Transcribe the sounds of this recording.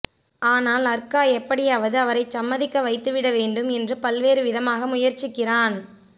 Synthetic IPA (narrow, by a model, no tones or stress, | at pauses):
aːnaːlɐɾkaːɛpːɐɽɪjaɐːʋɐðɯɐʋɐɾɐɪsɐmːɐðɪkːɐʋɐɪt̪ːɯʋɪɽɐʋeːɳɖɯmɛndrɯpɐlʋeːɾɯʋɪðɐmaːɣɐmʊjɐɾt͡ʃɪkːɪraːn